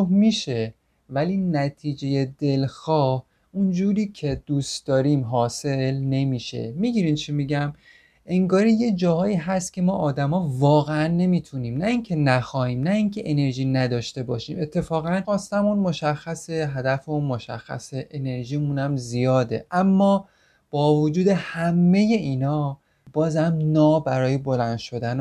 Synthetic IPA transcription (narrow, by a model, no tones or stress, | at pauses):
omiːʃe̞ | væliːnæt̪ʰiːd͡ʒe̞jed̪e̞lxɒːh | und͡ʒuːɾiːcʰe̞d̪̥uːst̪d̪̥ɒːɾiːmɦɒːse̞lne̞miːʃe̞̰miɟiːɾiːnt͡ʃʰimiɟæm | ʔe̞ŋɡɒːɾije̞d͡ʒɒːhɒːiːɦæst̪̚cʲʰe̞mɒːʔɒːd̪æmɒːvɒːɣeænːe̞miːt̪ʰuniːmnæiŋcʰe̞næxɒːhiːmnæiŋcʰe̞ʔene̞ɾʒiːnæd̪ɒːʃt̪e̞bɒːʃiːme̞t̪ʰːe̞fɒːɣænxɒːst̪æmunmo̞ʃæxːæseɦæd̪æfeunmo̞ʃæ̰xːæ̰seʔene̞ɾʒiːmunæmzijɒːd̪e̞̰ʔæmːɒː | b̥ɒːvod͡ʒuːd̪e̞hæmːe̞je̞ʔiːnɒː | b̥ɒːzæmnɒːbæɾɒːje̞bo̞lænd̪̥ʃo̞d̪æn